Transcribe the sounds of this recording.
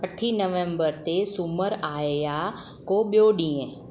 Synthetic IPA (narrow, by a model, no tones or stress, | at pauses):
kəʈʰːinəʋẽmbəɾt̪esʊməɾaːeja | kobjoːɖĩẽ